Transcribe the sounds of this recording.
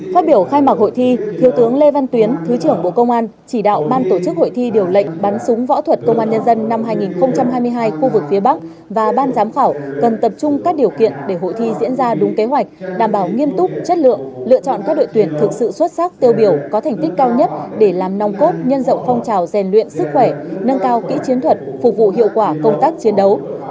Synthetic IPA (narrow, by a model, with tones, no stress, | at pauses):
faː˦˥t̚ɓi˧˩əwxaː˧jma˨˩k̚ho̰˧˨jt̪ʰi˧t̪ʰi˨˩əwt̪ɨ˨˦əŋle˧va˧nt̪wi˨˦ənt̪ʰɨ˨˦t͡ɕɨ˧˩əŋɓo̰˧˨kə˧wŋ͡mʔaː˧n | t͡ɕi˧˩ɗa̰ː˧˨wɓaː˧nt̪o˧˩t͡ɕɨ˦˥k̚ho̰˧˨jt̪ʰi˧ɗi˨˩əwlə̰˧˨jŋ̟ɓa˨˦nsʊ˨˦ŋ͡mvɔ̰˧˥t̪ʰwə˨˩t̚kə˧wŋ͡mʔaː˧nɲə˧nzə˧nːa˧mɦaː˧jŋi˨˩nxə˧wŋ͡mt͡ɕa˧mɦaː˧jmɨ˧əjɦaː˧jxu˧vɨ˨˩k̚fi˨˦əɓa˦˥k̚ | vaː˨˩ɓaː˧nzaː˨˦mxaː˧˩wkə˨˩nt̪ə˨˩p̚t͡ɕʊ˧ŋ͡mkaː˦˥k̚ɗi˨˩əwkḭ˧˨ənɗe˧˩ɦo̰˧˨jt̪ʰi˧zḭ˧˥nzaː˧ɗʊ˨˦ŋ͡mke˨˦ɦwa˨˩jk̚ɗaː˧˩mɓaː˧˩wŋi˧əmt̪ʊ˦˥k͡p̚t͡ɕə˦˥t̚lɨ̰˧˨əŋlɨ̰˧˨ət͡ɕɔ̰˧˨nkaː˦˥k̚ɗo̰˧˨jt̪wi˧˩ənt̪ʰɨ˨˩k̚sɨ̰˧˨swə˦˥t̚sa˦˥k̚t̪i˧əwɓi˧˩əwkɔ˨˦t̪ʰɛ˨˩ŋ̟t̪i˦˥k̟̚kaː˧wɲə˦˥t̚ɗe˧˩laː˨˩mna˨˧wŋ͡mko˦˥t̚ɲə˧nzə̰˧˨wŋ͡mfɔ˧wŋ͡mt͡ɕaː˨˩wzɛ˨˩nlwḭ˧˨ənsɨ˦˥k̚xwɛ˧˩nə˧nkaː˧wkḭ˧˥t͡ɕi˨˦ənt̪ʰwə˨˩t̚fʊ˨˩k̚vṵ˧˨ɦḭ˧˨əwkwaː˧˩kə˧wŋ͡mt̪aː˦˥k̚t͡ɕi˨˦ənɗə˨˦w